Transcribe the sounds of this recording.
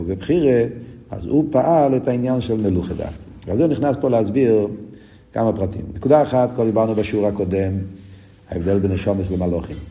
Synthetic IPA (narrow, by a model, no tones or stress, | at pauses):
bɪbχiʁe | a̰zupaʔalɛtainjanʃɛlˠməluχəda̰ | azeniχnaspolɪazbiʁ | ka̰mapʁatḭmnəkudaːχatkʰɔlˠdibaʁnubaʃuːʁhakɔdɛm | haɛvdɛlˠbɪnɛʃɔməslɪmalɔχim